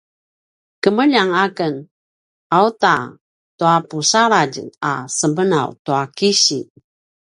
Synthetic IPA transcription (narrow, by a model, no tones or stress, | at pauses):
kəməʎaŋakən | auta | tuapusaɾad͡ʒə̰ŋa̰səmbəna̰wtuakiɕḭ